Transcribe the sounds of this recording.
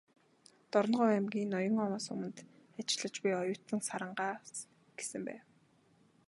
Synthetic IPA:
t̪ɔɾɞ̆nɢʊːæmɡʲiːnːɔjɞ̆ŋɔwaːsʊmə̆nt̪at͡ɕɮə̆t͡ɕpijɔjʊːt̪ə̆ŋsaɾə̆ɴɢaː | ɡ̥e̥sɘ̆mpæ̰ːw

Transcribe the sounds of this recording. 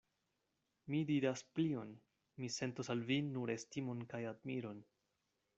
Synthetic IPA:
midiɾasplio̞n | mise̞ntosalvinuɾe̞stimo̞nkajad̚miɾo̞n

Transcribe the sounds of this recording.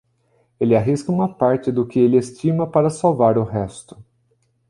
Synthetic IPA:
elɪaɦiskɐũmɐpaɾt͡ʃɪd̪ʊkɪelɪest͡ʃimɐpaɾɐsawvaɾʊɦɛst̪ʊ̥

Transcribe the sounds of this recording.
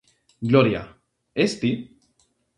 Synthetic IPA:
ɡloɾja̰ | est̪i

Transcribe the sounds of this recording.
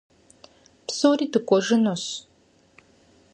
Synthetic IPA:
psoːriːdɨkʷʼɔʒɨnoɕ

